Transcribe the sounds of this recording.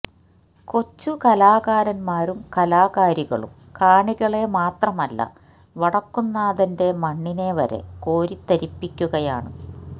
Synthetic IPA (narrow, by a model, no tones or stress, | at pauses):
ko̞t͡ɕːukɐlaːɣaːɾɐnmaːɾumkɐlaːɣaːɾiɣɐ̰ɭṵm | kaːɳiɣɐɭe̞maːt̪rɐmɐlːɐ̰ | ʋɐɽɐkːunːaːðɐnde̞mɐɳːine̞ʋɐ̰ɾe̞̰ko̞ːɾit̪ːɐɾipːikʲːuɣɐjaːɳɨ̰